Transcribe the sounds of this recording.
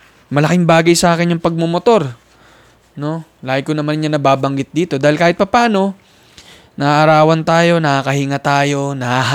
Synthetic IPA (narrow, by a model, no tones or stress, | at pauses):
mɐlɐkɪŋbaːɡɐjsɐʔaːkɪnjʊŋpɐɡ̚momot̪o̞ɾ | no̞ | laːhɪkonɐmanɲanɐbaːbɐŋɡɪt̪̚d̪iːt̪o̞d̪aːhɪlkaːhɪt̪̚pɐpaːno̞ | nɐaʔɐɾaːwɐnt̪aːjo̞nɐhakɐhiŋɐt̪aːjo̞nɐa